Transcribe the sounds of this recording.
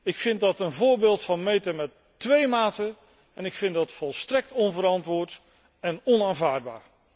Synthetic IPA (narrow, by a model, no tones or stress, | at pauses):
ɪkfɪndɑtənvʊːɹbɪːlˠtfɑnmejtəmɛtː | ʋejmaːtə | ɛnɪkfɪndɑtfɔlˠstrɛk̚tɔnvəɾɑntʋʊːɹt | ɛnɔnaːnvaːɹd̚ba̰ːɹ